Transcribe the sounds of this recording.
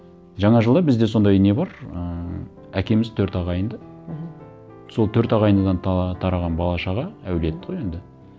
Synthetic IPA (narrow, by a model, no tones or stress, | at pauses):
ʒɑɴɑʒəlˠd̪ɑbɪzd̪e̞so̞nd̪ɑjɪne̞bɑɾə | ækʲe̞mɪzt̪ʰɵɾt̪ɑʁɑjənd̪ə | so̞lˠt̪ʰɵɾt̪ɑʁɑjənd̪əd̪ɑnt̪ʰɑɾɑʁɑnbɑlˠɑʃɑʁɑæwle̞t̪ːɪ̥ʁoje̞nd̪ɪ